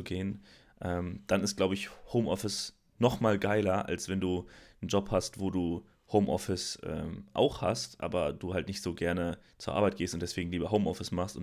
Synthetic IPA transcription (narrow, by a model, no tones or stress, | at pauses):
uɡeːən | ʔɛːmd̥anɪst̚ɡ̥laʊbəɪçhoʊmʔɔfɪs | nɔχmaːlɡaɪlɐʔa̰lsv̥ɛnduːn̩d͡ʒɔphastv̥oːduː | hoʊmʔɔ̰fɪsʔɛ̰ːmʔa̰ʊxha̰stʔa̰ːbɐd̥uːhaltnɪçtz̥oːɡɛɐnət͡suːɐʔa̰ːɐbaɪt̚ɡ̥eːstʊntd̥ɛsv̥eːɡŋ̩liːbɐɦoʊmʔɔfɪsmaχstʊ̰n